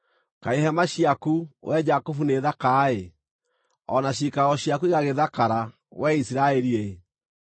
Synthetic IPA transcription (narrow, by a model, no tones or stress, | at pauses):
kaeɦɛmaɕiakuwɛd͡ʒakofuneðakaːe | ɔnaʃikaɣɔɕjakuiɣaɣeðakaɾa | wɛisiɾaɛɾie